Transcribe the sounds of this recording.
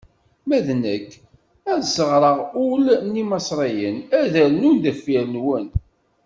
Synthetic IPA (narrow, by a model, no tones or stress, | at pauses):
mæðnækː | æðsəʁɾˤəʁʊlnːimɑsˤɾˤijənæðælnund̪əfiɾənwən